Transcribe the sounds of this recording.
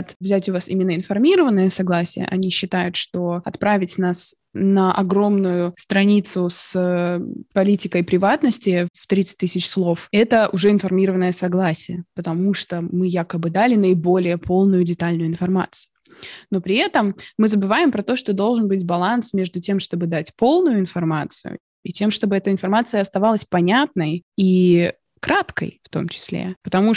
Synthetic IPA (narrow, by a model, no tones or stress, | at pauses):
t̪vzʲætʲʊvasimʲɪnːəɪnfɐrmʲiɾəvənːəjəsɐɡlˠasʲɪjə̰ʔɐ̰nʲiɕːɪt̪ajʊt̪ʂt̪o̞ɐt̪pɾavʲɪtʲnas | nəʔɐ̰ɡɾo̞mnʊjʊst̪ɾɐnʲit̪sʊsəpɐlʲitʲɪkəjpɾʲɪvat̪nəsʲtʲɪft̪ɾʲit̪sɨ̥t̪̚ʲɨsʲɪt͡ɕslˠo̞fɛt̪əʔʊʐɛɪnfɐrmʲiɾəvənːəjəsɐɡlˠasʲɪjəpət̪ɐmuʂt̪omɨjakəbɨd̪alʲɪnəɪbo̞lʲɪjəpʰo̞lˠnʊjʊdʲɪt̪alʲnʊjʊɪnfɐrma̰t̪sɨ̥jʊno̞pɾʲɪɛt̪əmːɨzəbɨvajɪmpɾɐt̪o̞ʂt̪od̪o̞lˠʐɨnbɨtʲbɐlˠansmʲe̞ʐd̪ʊtʲe̞mʂt̪o̞bɨd̪atʲpo̞lˠnʊjʊɪnfɐrmat̪sɨ̰jʊ̰ | itʲe̞mʂt̪o̞bɨɛt̪əɪnfɐrmat̪sɨjəɐst̪ɐvalˠəsʲpɐnʲat̪̚nəji | kɾat̪kə̰jft̪o̞̰mt͡ɕɪ̥sʲlʲḛpət̪ɐmu